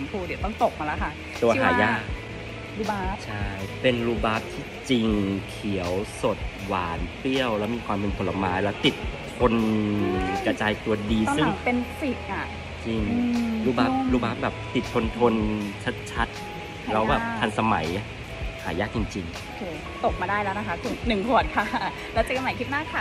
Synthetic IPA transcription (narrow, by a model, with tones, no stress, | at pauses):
pʰu˧˩di˨˩˦t̪ɔ˥˩ŋt̪o˨˩k̚maː˧la˦˥kʰa˥˩ | t̪u˧ɐɦa̰ː˩˦jaː˥˩˥k̚ | u˧˥a˦t͡ɕʰa˥˩jpe˧nɾuː˧˥baː˦˥p̚t̪ʰiː˥˩t͡ɕi˧ŋkʰi˩˦əwso˨˩t̪̚waː˩˦npi˥˩əwlɛː˦˥wmiː˧kʰwaː˧mpʰe˧nt̪ʰo˧la˧maː˧˥jlɛː˦˥wt̪i˨˩t̪̚ʰː | o˧n | kɾa˧t͡ɕaː˧jt̪u˧ɐdiː˧sɯ˥˩ŋpe˧nsi˨˩t̪̚ʔa˨˩ | t͡ɕi˧ŋɾuː˧˥baː˦˥p̚ɾuː˧˩baː˦˥p̚bɛː˨˩p̚t̪i˨˩t̪ʰːo˧nt̪ʰo˧nt͡ɕʰa˦˥t̪̚t͡ɕʰa˦˥t̪̚ | lɛː˧˥wbaː˨˩t̪ʰa˧nsa˧ma̰˩˦j | ha̰ː˩˦jaː˥˩k̚t͡ɕi˧ŋt͡ɕi˧ŋ | o˧kʰeː˧ | t̪o˨˩k̚maː˧daː˥˩jlɛː˦˥wna˦˥kʰa˦˥k̪ʰɯ˨˩ŋnɯ˨˩ŋkʰu˨˩ət̪̚kʰa˧˥˩ | lɛː˦˥t͡ɕa˨˩k̚ːa˧ma˨˩˦jkʰi˦˥t̪̚naː˥˩kʰa˧˥˩